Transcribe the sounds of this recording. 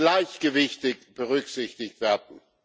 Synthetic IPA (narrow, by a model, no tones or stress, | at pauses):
laɪçɡ̥əvɪçtɪkb̥əʁʏkz̥ɪçtɪçtv̥eːɐdn̩